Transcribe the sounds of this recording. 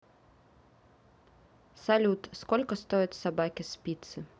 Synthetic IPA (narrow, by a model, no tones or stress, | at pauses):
salʲut̪skɔlʲkɐst̪ɔjɐt͡sʲsabakʲispʲit̪sɨ